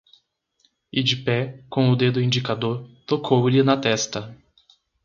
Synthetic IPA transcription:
ɪd͡ʒɪpɛkõw̃ʊd̪ed̪ʊĩnd͡ʒikad̪oɾt̪okʰowlɪnɐt̪ɛst̪ɐ

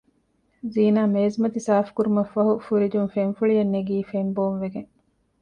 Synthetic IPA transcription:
ziːnaːmeːzmɐt̪isaːfkuɾumɐfːɐɦufuɾid͡ʒunfenfuɭijɐnːeɡiːfemboːnʋeɡeŋ

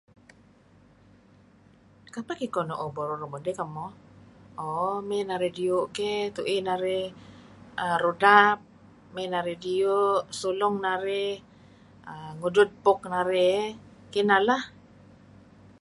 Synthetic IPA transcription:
kapakikɔnɔʔobɔɾɔɾomodɛkamɔ | omɛnaɾedioʔkɛt̪uʔinaɾe | əɾodap̚ | mɛnaɾedioʔsulɔŋnaɾɛ | əŋudʊt̪̚pɔk̚naɾɛ | kinalah

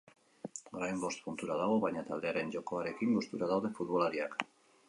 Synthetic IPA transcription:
ɡɾajmbo̞st̪punt̪uɾaðaɣ̞oβajɲat̪ald̪e̞aɾe̞nd͡ʒo̞ko̞aɾe̞kiŋbust̪uɾaðawðe̞fut̪βo̞laɾiak

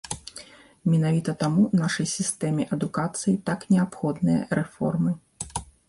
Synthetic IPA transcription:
mʲɛnavʲit̪ɐt̪amunaʂɐjsʲist̪ɛmʲɛʔɐd̪ukat̪sɨjit̪aknʲɛapxɔd̪nɨjɐ̰ɾɛfɔ̰rmɨ

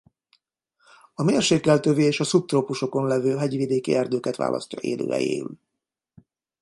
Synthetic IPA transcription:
ɒmeːrʃeːkːɛlt̪øvieːʃɒsup̚t̪roːpuʃo̞ko̞nlɛvøːɦɛɟʋid̪eːkḭɛrd̪øːkɛt̪ʋa̰ːlʔɒ̰scɒ̰ʔḛːlø̰ːɛ̰jḛːy̰l

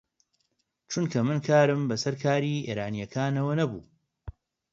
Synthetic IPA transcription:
t͡ʃunkʰɐmɨnkʰaːɾɨmbɐsɐɾkʰaːɾiːḛːɾaːnijɐkʰaːnɐwɐnɐbṵː

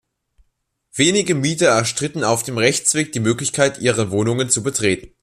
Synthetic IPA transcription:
v̥eːnɪɡəmiːtɐɛɐʃtʁ̥ɪtn̩aʊfd̥eːmʁɛçt͡sv̥eːk̚d̥iːmøːklɪçkʰaɪtʔiːʁəvoːnʊŋənt͡subətʁ̥eːtn̩

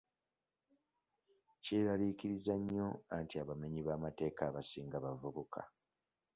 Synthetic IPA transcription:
ceɾaliciɾizaɲːo̞antiaβame̞ɲiβaːmate̞ːkaːβasiːŋɡaβavuβukʰa̰

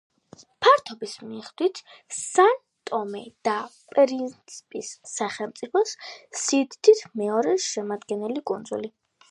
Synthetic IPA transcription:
pʰaɾt̪ʰɔbismiːχd̪̥wit̪ʰsan | t̪ʼɔmɛd̪̥apʼɾint̪sʰipʼisːaχɛlˠmt̪sʼipʰɔssid̪t̪ʰit̪ʰmɛɔɾɛʃɛmad̪ɡɛnɛlikʼund̪zuli

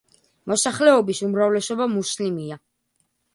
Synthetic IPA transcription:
mɔsaχlɛɔbisumɾavlɛsɔbamuslimia

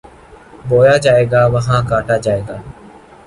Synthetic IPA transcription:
boːjaːd͡ʒaːeːɡaːʋəɦãːkaːʈaːd͡ʒaːeːɡaː

